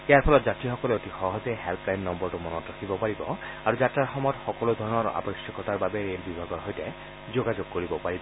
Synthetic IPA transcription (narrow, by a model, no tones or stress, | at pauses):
ɛjaɹpʰɔlɔtzatɹixɔkɔleotixɔɦɔzejɦɛlplajnːɔmbɔɹtumɔnɔtɹakʰibɔpaɹibɔaɹuzataɹxɔmɔtxɔkɔlod̪ʱɔɹɔnɔɹa̰pɔʃjɔkɔtaɹbabɛɹelbibʱaɡɔɹɦojtɛ | zoɡad͡ʒoɡ̚koɹibɔpaɹibɔ